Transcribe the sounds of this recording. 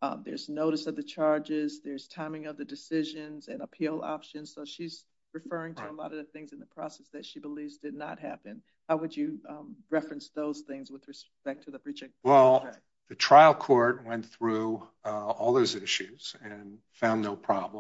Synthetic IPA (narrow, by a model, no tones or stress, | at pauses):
ðə̰˞znoʊɾɨsʌvðɨt͡ʃʰɑɹd͡ʒɪzðə˞z̥tʰãɪ̃mɪ̃ŋʌvðɨdɨsɪʒɨ̃nzɨ̃nəpʰilˠɑ̰pʃɨ̃nz̥soʊʃiz | ɹɨfɜ˞ɪ̃ŋtʰəəlɔ̰ɾʌvðɨθɪ̃ŋzɨ̃n̩ðəpʰɹ̥ɔsɛsðɨtʃibəlivzdɨdⁿnə̰t̚ɦæ̰pɨ̃n | haʊwɨd͡ʒɨɹɛfɹɨ̃nsðoʊz̥θɪ̃ŋzwɨðɹɨspɛk̚tʰɨðəbɹ̥it͡ʃɪ̃wɛlˠ | ðɨtʰɹ̥aɪlˠkʰɔɹt̚wɛ̃nθɹʉ | ɔlˠðoʊzɪʃʉz̥ɨ̃n | fãʊ̃nːoʊpʰɹ̥ɑblə̃